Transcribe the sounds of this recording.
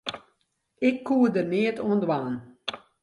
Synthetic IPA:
ɪkʰːuːədəneətuəndwaːn

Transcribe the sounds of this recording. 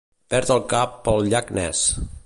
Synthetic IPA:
pɛɾt̪əlˠkapːəlˠʎaknɛ̰s

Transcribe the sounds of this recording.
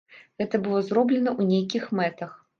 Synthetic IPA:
ɣɛt̪ɐbɨlˠɔzɾɔblʲɛnɐʔunʲejk̬ʲixmɛt̪ɐx

